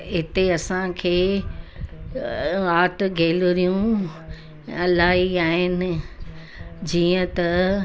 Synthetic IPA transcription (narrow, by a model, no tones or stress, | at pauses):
ɦɪt̪eɐsãkʰeː | aːʈɡʱeːlɾijũ | ɐlaːɦiaːɦɪnɪ̆ | d͡ʑiːə̃t̪ɐ